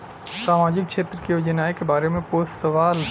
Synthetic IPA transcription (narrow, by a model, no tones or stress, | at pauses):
saːmaːd͡ʒɪkkʃeːt̪ɾəkijoːd͡ʒənaːekebaːɾemẽpoːssəʋaːl